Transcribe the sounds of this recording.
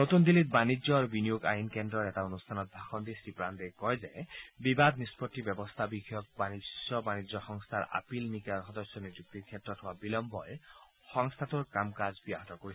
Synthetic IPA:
not̪und̪ilit̪̚banid͡ʒɔaɾubinijoɡa̰jinkend̪ɾɔetaonust̪ʰanɔt̪̚bʱaxɔnd̪isipɾand̪ekɔjzaebibad̪nispɔtːibɔbɔst̪ʰabikʰjɔk̚banisɔbanid͡ʒɔxɔŋst̪ʰaɾa̰pilmikaɾxɔd̪ɔsjɔnid͡ʒuk̚t̪ikʰet̪ɾɔt̪ʰɔwabilɔmbɔe | xɔŋst̪ʰat̪uɹkamkazbiaɦɔt̪ɔkoɾisʰi

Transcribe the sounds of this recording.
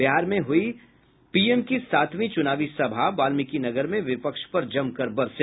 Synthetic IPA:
ɪɦaːɾmẽɦʊi | piːemkisaːt̪ʰʋĩt͡ʃʊnaːʋisɐbʱabaːlmɪkinɐɡəɾmẽʋɪpəkʃpɐɾd͡ʒɐmkɐɾbɐɾse

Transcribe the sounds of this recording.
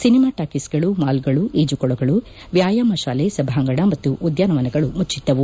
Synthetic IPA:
sinimaːʈaːkisɡɐɭumaːlɡɐɭuʔeːd͡ʒukɔɭɐɡɐɭu | ʋjaːjaːmɐʃaːlesɐbʱaɐŋɡɐɽɐmɐt̪ːuʔud̪jaːnɐʋɐnɐɡɐɭumut͡ʃːid̪ːɐʋu

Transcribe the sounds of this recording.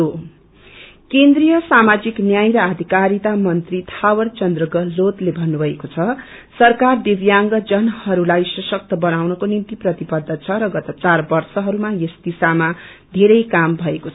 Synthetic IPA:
o | kend̪rijʌsamad͡ziknjajɾʌad̪ʱikaɾit̪amʌnt̪rit̪ʰawʌɾt͡sʌnd̪rʌɡʌlot̪lebʱʌnːubʱʌekot͡sʰʌ | sʌrkard̪ebjaŋɡʌd͡zʌnhʌɾulajsʌsʌk̚t̪ʌbʌnawnʌkonint̪iprʌt̪ibʌd̪ʱːʌt͡sʰʌɾʌɡʌt̪ʌt͡sarbʌrsʌɦʌɾumajesd̪isama | d̪ʱeɾʌjkambʱʌekot͡sʰʌ

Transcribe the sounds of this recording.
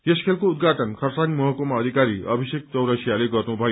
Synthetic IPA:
eskʰelkoud̪̚ɡaʈʌnkʰʌrsanimʌɦʌkomaːd̪ʱikaɾiʌbʱisek̚t͡sʌwɾʌsijaleɡʌrnubʱʌjo

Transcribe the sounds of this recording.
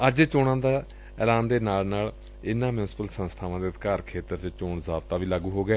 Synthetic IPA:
əd͡ʒt͡ʃoːɽãːd̪aː | ɛːlaːnd̪eːnaːlnaːl | ɪnãːmjuːnsɪ̥pəlsə̃nst̪ʰaːʋãːd̪eːət̪kaːɾkʰeːt̪əɾt͡ʃt͡ʃoːɳzaːbt̪aːʋiːlaːɡuːɦoːɡɛː

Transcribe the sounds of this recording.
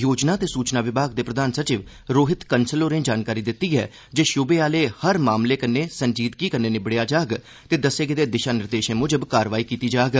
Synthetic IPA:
joːd͡ʒnaːt̪eːsuːt͡ʃnaːʋɪbʱaːɡ̚d̪eːpɾəd̪aːnsət͡ʃiːʋ | ɾoːɦɪt̪kənsəloːɾẽːd͡ʒaːnkaːɾiːd̪ɪt̪ːiːɦɛ̰ː | d͡ʒeːʃʊbeːaːleːhəɾmaːmleːkənːeːsənd͡ʒiːt̪kiːkənːeːnɪbɽejaːd͡ʒaːɡ | t̪eːd̪əsːeːɡɪd̪eːd̪ɪʃaːnɪɾd̪eːʃẽːmʊd͡ʒəbkaːɾʋaːiːkiːt̪iːd͡ʒaːɡ

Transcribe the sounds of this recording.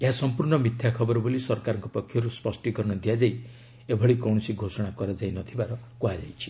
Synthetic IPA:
eɦasɔmpuɾɳɔmit̪ʰjakʰɔbɔɾɔbolisɔɾkaɾɔŋkɔpɔkʰːjɔɾuspɔsʈikɔɾɔɽ̃ɔd̪iad͡ʒaj | ebʱɔɭikɔwɽ̃ɔsiɡʱosɔɽ̃akɔɾad͡ʒajnɔt̪ʰibaɾɔkoɦad͡ʒajt͡ʃʰi̥

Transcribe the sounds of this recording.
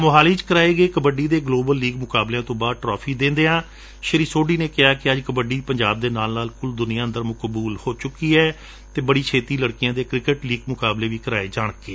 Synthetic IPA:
mʊɦaːliːt͡ʃkəɾaːeːɡeːkəbəɖiːd̪eːɡloːbəlːiːɡmʊkaːbleãːt̪õːbaːd̪̚ʈɾɔːpʰiːd̪ẽːnd̪eːãː | ʃəɾiːsoːɖiːneːkɪaːkɪəd͡ʒkəbəɖiːpəɲd͡ʒaːb̚d̪eːnaːlnaːlkʊld̪ʊnijãːənd̪əɾmʊkbuːlhoːt͡ʃʊkːiːɛː | t̪eːbəɽiːt͡ʃʰeːt̪iːləɽkɪjãːd̪eːkɾɪkəʈliːɡmʊkaːbleːʋiːkəɾaːeːd͡ʒaːɳ̃kːeː

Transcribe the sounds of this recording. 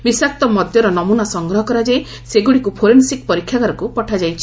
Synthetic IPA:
bisak̚t̪ɔmɔd̪jɔɾɔnɔmunasɔŋɡɾɔɦɔkɔɾad͡ʒe | seɡuɽikupʰoɾensikpɔɾikʰːjakaɾɔkupɔʈʰad͡ʒajt͡ʃʰi̥

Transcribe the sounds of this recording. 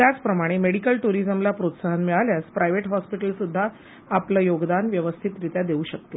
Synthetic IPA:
t̪jat͡spɾəmaɽ̃emeɽikəlʈuɾizəmlapɾot̪saɦənmiɭaljaspɾajʋeʈɦɔspiʈəlsud̪ʱːaː | pləːjoɡd̪anʋjəʋəst̪ʰit̪ɾit̪jad̪euːɕək̚t̪e

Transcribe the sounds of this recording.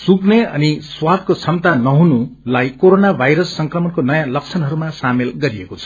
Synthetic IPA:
sukneʌ̰niswad̪̚kot͡sʰʌmt̪anʌɦunulajkoɾonabʱajɾʌsːʌŋkrʌmʌnkonʌjãlʌk̚t͡sʰʌnɦʌɾumasamelɡʌɾiekot͡sʰʌ̥

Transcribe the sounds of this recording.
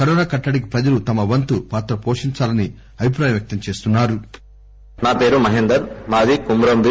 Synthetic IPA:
kɐɾɔːnaːkɐʈːɐɽik̬ipɾɐd͡ʒɐlut̪ɐmɐʋɐnt̪upaːt̪ɾɐpoːʂiɲt͡ʃaːlɐni | ɐbʱip̬ɾaːjɐ̃mʋjɐk̚t̪ɐmt͡ʃe̞ːst̪unːaːɾu | naːpeːɾumɐɦend̪ɐɾmaːd͡ʒ̪ikumɾɐmb̪i

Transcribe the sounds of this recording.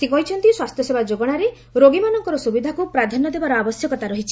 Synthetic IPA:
sikɔɦit͡ʃʰɔnt̪iswast̪ʰjɔsebad͡ʒoɡɔɽ̃aɾe | ɾoɡimanɔŋkɔɾɔsubid̪ʱakupɾad̪ʱanːɔd̪ebaɾɔabɔsjɔkɔt̪aɾɔɦit͡ʃʰi̥

